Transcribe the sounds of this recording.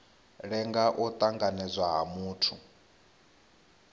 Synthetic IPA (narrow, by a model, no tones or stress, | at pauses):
ɺɛŋɡaʔɔt̪ʼaŋɡanɛd͡zʷwaɦa̰muːtʰu